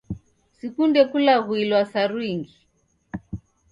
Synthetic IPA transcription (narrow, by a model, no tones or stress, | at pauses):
sikundɛkulaɣuilwasaɾwiŋɡi